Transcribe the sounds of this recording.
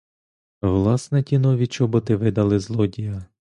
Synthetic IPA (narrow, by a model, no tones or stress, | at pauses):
ʋlˠɑsnɛtʲinɔʋʲit͡ʃɔbɔt̪ɪʋɪd̪ɐlˠɪzlˠɔdʲijɐ